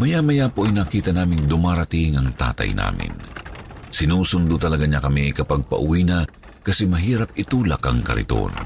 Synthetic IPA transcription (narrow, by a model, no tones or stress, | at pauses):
mɐjamɐjapoʔɐjnakiːt̪ɐnaːmɪnd̪ʊmaːɾɐt̪iŋɐŋt̪a̰ːt̪ɐ̰jnʔa̰ːmɪ̰n | sɪnuːsʊnd̪ʊt̪ɐlɐɡaɲakɐmikɐpaɡ̚pɐ̰ʔʊwina | kɐsɛmɐɦiːɾɐp̚ɪt̪uːlɐkɐŋkɐ̰ɾɪ̰t̪o̰n